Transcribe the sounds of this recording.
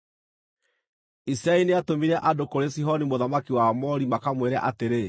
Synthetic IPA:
isiɾaɛneatomiɾɛʔadokoɾesiɦɔnimoðamakiwamɔɾimakamweɾɛ̰ʔateɾe

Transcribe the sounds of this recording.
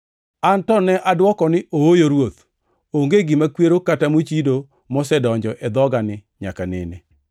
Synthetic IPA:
antɔnɛʔadwɔkɔnɪʔoojoɾwot̪ | oŋɡeɡɪmakweɾokatamot͡ʃido | mɔsɛdɔɲd͡ʒɔʔɛd̪ɔɡanɪɲa̰kanɪ̰ne

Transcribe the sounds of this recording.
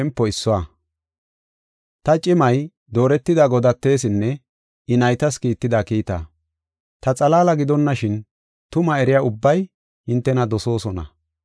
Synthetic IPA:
ɛmpːɔɪsːɔwa | t̪ɐt͡ʃʼɪmɐj | d̪o̞ːɾɛt̪ːɪd̪aɡɔd̪ɐt̪ːe̞ːs̬ɪnːɛ | ɪnɐjt̪ɐskiːt̪ːɪd̪aːkiːt̪a̰ː | t̪ɐt͡sʼɐlaːlɐɡɪd̪ɔnːɐʃɪn | t̪ʊmɐɛɾɪjaːʊbːɐj | hɪnt̪ːɛnɐd̪ɔso̞ːsɔnɐ̰

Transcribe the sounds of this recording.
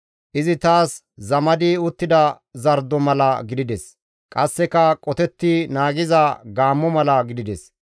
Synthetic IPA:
ʔɪzɪt̪aːs | zɐmɐd̪iːʊt̪ːɪd̪ɐ | zɐɾd̪ɔmɐlɐɡɪd̪ɪd̪ɛs | kʼɐsːɛkɐkʼɔt̪ɛt̪ːɪnaːɡɪzɐɡaːmːɔmɐlɐɡɪd̪ɪd̪ɛs

